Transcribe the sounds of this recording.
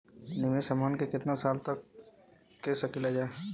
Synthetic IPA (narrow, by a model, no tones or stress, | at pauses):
nɪmesəmaːnkekɪt̪nasaːlt̪ɐkː | esəkɪlad͡ʒaːe